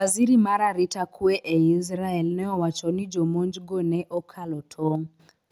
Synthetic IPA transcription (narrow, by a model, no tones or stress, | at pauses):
aziɾimaɾaɾitakʰueʔɛis̬ɾaɛlnɛɔwat͡ʃɔnid͡ʒomond͡ʒɡonɛʔɔkʰalɔtʰɔŋ